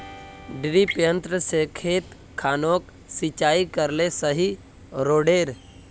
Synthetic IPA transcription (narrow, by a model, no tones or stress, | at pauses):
ɖɪɾipjə̃nt̪ɾəsekʰeːt̪ | kʰːaːnoːk | sit͡ʃaːikəɾlesəɦi | ɾoːɖeːɾ